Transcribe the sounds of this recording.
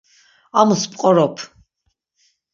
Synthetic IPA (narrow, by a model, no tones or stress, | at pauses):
amuspʼqʼɔɾɔpʰ